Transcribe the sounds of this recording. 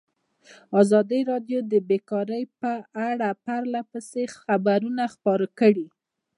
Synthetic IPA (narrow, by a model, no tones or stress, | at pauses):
ɑzɑd̪iɾɑɖjod̪əbekɑɾəjpəaɽapaɾlapəsexabaɾunaxpɑɾakəɽi